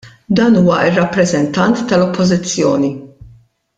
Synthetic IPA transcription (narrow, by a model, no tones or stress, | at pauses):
d̪ɐːnuːwɐʔɪrːɐpːɾɛzɛnt̪ɐnt̪ːɐlɔpːɔzɪt͡sːjɔ̰ːni